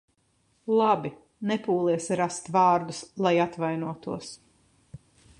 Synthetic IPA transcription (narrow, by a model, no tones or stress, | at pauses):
lˠabi | nɛpuːlˠiɛsɾast̪vɑːɾd̪uslˠajat̪vajnuɔt̪uɔs